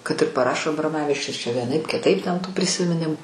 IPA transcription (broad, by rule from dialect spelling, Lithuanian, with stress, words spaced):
kɐt ɪr pɐˈrɑːʃoː ɐbroːˈmɑːʋʲɪt͡ʃʲʊs t͡ʃʲɛ ʋʲiɛˈnɐɪp kʲɪˈtɐɪp tʲɛn tuː pʲrʲɪsʲɪmʲɪˈnʲɪmʊ